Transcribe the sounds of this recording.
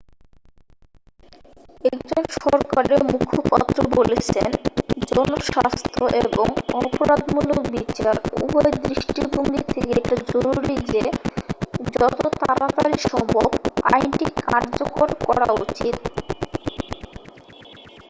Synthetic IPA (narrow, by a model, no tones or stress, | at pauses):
ɛkd͡ʑonʃɔɾkaɾemukʰopa̰t̪ːɾobolet͡ɕʰḛnd͡ʑɔnoʃast̪ʰoʔeboŋɔpoɾad̪mulokbit͡ɕaɾṵbɔjed̪ɾiʃʈibʱoŋɡit̪ʰekeeʈad͡ʑoɾuɾid͡ʑe | d͡ʑɔt̪ot̪aɾat̪aɾiʃɔmbʱobajnʈikaɾd͡ʑokoɾkɔɾa̰ut͡ɕit̪